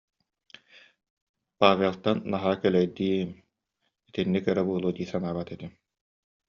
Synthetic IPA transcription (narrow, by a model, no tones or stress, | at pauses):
paːvʲelˠt̪anːaɦaːkɛlɛjd̪iːm | it̪inːikœɾɛbuːlˠuːd̪iːsanaːbat̪ɛt̪i